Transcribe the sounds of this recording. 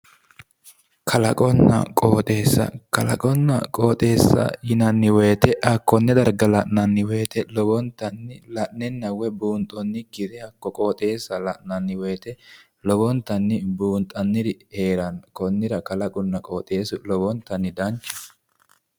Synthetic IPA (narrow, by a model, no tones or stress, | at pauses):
kʰɐlɐkʼɔnːɐ̰kʼoːt̪ʼe̞ːsːɐ̰kɐlɐ̰kʼɔnːɐ̰kʼo̞ːt̪ʼe̞ːsːɐ̰jɪnɐnːɪweːt̪ɛʔɐkːɔnːɛd̪ɐɾɡɐlɐʔnɐnːɪweːt̪ʰɛlɔbɔnt̪ːɐnːɪlɐʔnɛnːɐwɛbuːnt̪ʼɔnːɪkːɪd̪ɛɐkːɔkʼoːt̪ʼe̞ːsːɐlɐʔnɐnːɪweːt̪ɛ | lɔbɔnt̪ːɐnːɪbuːnt̪ʼɐnːɪɾɪhe̞ːɾɐnkɔnːɪɾɐkɐlɐkʼʊnːɐkʼoːt̪ʼe̞ːsʊlɔbɔnt̪ːɐnːɪd̪ɐnt͡ʃːɪ̥